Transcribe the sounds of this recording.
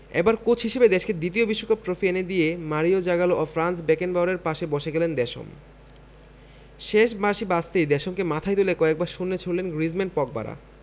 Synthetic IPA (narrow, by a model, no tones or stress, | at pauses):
ḛbaɾkot͡ɕʰɦiʃebed̪eʃked̪it̪̬iobiʃːokap̚t̪ɾofiened̪ijemaɾiod͡ʑaɡaloʔofɾansbɛkenbawɾeɾpaʃebɔʃeɡɛlend̪ɛʃo̰m | ʃeʃmaɾʃibast̪ejd̪ɛʃomkemat̪ʰajt̪ulekɔek̚baɾʃunːet͡ɕʰollenɡɾizmenpɔk̚ba̰ɾa̰